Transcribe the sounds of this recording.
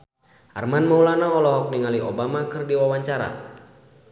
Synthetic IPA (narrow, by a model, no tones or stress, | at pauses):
ʔa̰rmanmaulanaɔlɔɦɔk̚niŋaliɔbamakɨrdiwawaɲt͡ʃaɾa̰